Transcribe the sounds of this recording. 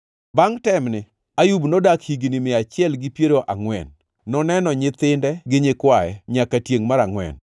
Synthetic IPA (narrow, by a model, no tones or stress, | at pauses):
baŋtɛmnɪ | ajubnodakhiɡnɪmɪat͡ʃɪɛlɡɪpjeɾoʔaŋwɛ̰nː | ɔnɛnɔɲɪt̪ɪndɛɡɪɲɪkwajɛɲakatjeŋmaɾaŋwɛ̰n